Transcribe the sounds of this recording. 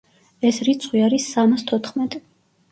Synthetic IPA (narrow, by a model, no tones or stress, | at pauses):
ɛsɾit̪sʰʼχwiaɾisːamast̪ʰɔt̪ʰχmɛt̪ʼ